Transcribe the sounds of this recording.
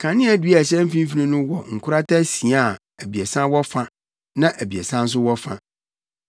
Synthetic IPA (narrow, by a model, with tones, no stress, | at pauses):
kʰã˨nɪ̃˦æ˨dɥæ˨ɕɛ̃˦m̩˦fĩ˦m˦fi˨nĩ˦nũ˦wɔ˨ŋ̩˨kʰʊ˦ɾa˦tʰa˦sĩ˨a˦˨ | æ˨bi˨ɛ˨sã˦wɔ˦fã˦ | nã˦ʔæ˨bi˨ɛ˨sã˦n̩˦s̬ʊ˦wɔ˦fã̰˦